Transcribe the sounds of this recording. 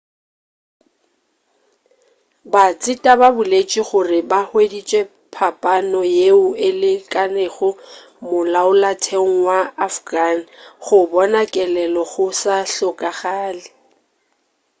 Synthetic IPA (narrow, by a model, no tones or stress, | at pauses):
bat͡sʼɪtʼababʊlet͡ʃʼiχʊrɪbahwedit͡ʃʼwe | pʰapʼanɔjeʊɪlɪkʼaneɣʊ | mʊlaʊlatʰeŋ̩waːfɡan̩χʊbɔnakʼɛlɛlɔɣʊsaɬʊkʼaɣaːlɪ